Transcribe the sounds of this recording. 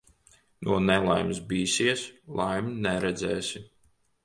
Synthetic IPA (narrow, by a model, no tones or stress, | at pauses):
nuɔnɛlˠa̰jmsbiːsiɛslˠajmnɛɾɛd̪zɛːsʲi